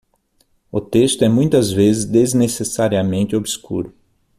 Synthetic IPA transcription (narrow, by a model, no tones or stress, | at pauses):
ʊt̪est̪ʊɛmũj̃t̪ɐzvezɪzd̪eznesesaɾiɐmẽnt̪ɪobiskṵɾʊ